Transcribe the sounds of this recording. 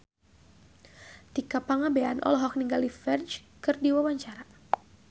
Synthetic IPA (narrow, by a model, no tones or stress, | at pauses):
t̪ikapaŋabeanʔɔ̰lɔɦɔk̚niŋɡalifɛrd͡ʒ | kɨrdiwawaɲt͡ʃaɾa